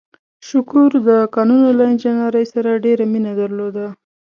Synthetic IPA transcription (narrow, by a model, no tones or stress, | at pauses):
ʃʊkuɾd̪əkɑnunolaɪnd͡ʒɪnaɾəjsaɾaɖeɾaminad̪aɾlod̪a